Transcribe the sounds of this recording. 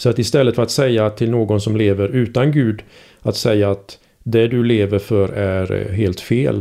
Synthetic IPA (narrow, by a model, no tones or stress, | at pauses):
sɔat̪ɪst̪ɛlːət̪fəɾat̪sɛjːat̪ʰɪlnoːɡɔnsɔmleːvəɾʉ̟ːt̪anɡʉ̟ːd̪ | at̪sɛjːaat̪ | d̪ɛd̪ɵleːvəɾfœɾæɾɦeːlt̪fḛːl